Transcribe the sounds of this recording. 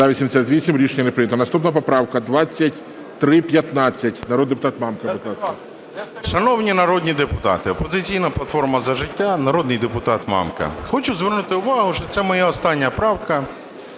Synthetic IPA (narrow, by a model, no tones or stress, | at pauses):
zaʋʲisʲiɪmsʲɐzʲʋʲisʲimɾʲiʃeɲʲːɐnepɾɪnʲɐt̪ɔnɐst̪upnɐpɐpɾɑwkɐd̪ʋat͡sʲːɐtʲ | t̪ɾɪpʲjɐt̪nɑt͡sʲːɐtʲnɐɾɔd̪d̪epʊt̪ɑt̪mɑmkɐbɪk̪lˠɑsɐ | ʃɐnɔwnʲinɐɾɔd̪ʲnʲid̪epʊt̪ɑ̰t̪ɪɔpɔzɪt͡sʲijnɐplˠɐt̪fɔrmɐzɐʒɪtʲːanɐɾɔd̪nɪjd̪epʊt̪ɑt̪mɑ̰mkɐ̰xɔt͡ʃʊzʋɛrnut̪ɪʊʋɑɦʊʃɔt̪sɛmɔjaɔst̪ɑnʲːɐpɾɑwkɐ